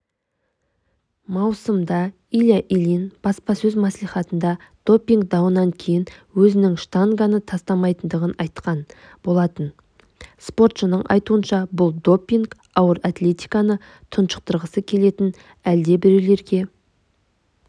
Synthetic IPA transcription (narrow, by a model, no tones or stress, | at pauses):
mɑwsəmd̪ɑ | ilʲjaʔilinb̥ɑspɑsɵzmɑsliχɑt̪ənd̪ɑd̪̥o̞pːiŋɡd̪ɑwənɑŋkʲʰe̞jɪnwɵzɪnɪŋʃt̪aŋɡanət̪ʰɑst̪ɑmɑjt̪ənd̪əʁənɑjt̪qɑn | b̥o̞lˠɑt̪ən | spo̞ɾt̪ʃənəɴʔɑ̰jt̪uənʃɑbʊlˠd̪o̞pːiŋɡ | ɑwəɾɑt̪le̞t̪ijkɑnə | t̪ʰənʃə̥q̚t̪əɾʁəsəkʲʰe̞le̞t̪ɪn | æld̪e̞bɪɾele̞ɾɡʲe̞